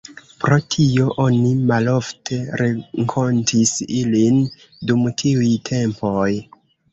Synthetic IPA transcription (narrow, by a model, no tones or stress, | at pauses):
pɾo̞tʰio̞ʔo̞nimalo̞ftʰe̞ɾeŋkʰo̞ntʰisilin | dumtʰiujtʰe̞mpo̞j